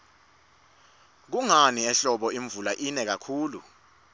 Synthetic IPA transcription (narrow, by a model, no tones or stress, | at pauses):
k̬uŋaniɛɬɔɓɔiɱvulaʔinɛk̬akʰuːlṵ